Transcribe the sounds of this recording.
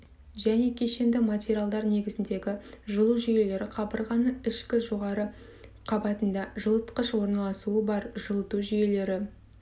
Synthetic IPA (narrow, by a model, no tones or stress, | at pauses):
ʒæne̞kʲʰe̞ʃe̞nd̪ɪmatʲeɾʲialˠd̪ɑɾne̞ɡʲɪzɪnd̪e̞ɡʲɪʒəlˠuʒʏje̞le̞ɾɪqʰɑbəɾʁɑnəɪʃkʲɪʒo̞ʁɑɾə | qʰɑbɑt̪ənd̪ɑʒəlˠət̪qəʃwo̞ɾnɑlˠɑsuəbɑɾʒəlˠət̪uʒʏje̞le̞ɾɪ